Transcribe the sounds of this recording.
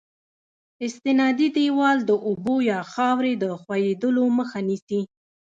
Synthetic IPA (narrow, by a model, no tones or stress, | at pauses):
ɪst̪ɪnɑd̪id̪ewɑld̪əʔʊbojɑxɑwɾed̪əxwajed̪əloməxanisi